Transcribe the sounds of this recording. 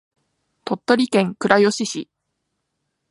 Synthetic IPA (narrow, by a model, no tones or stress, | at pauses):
t̪o̞t̪ːo̞ɾʲikẽ̞ŋkɯ̟ɾajo̞ɕiɕi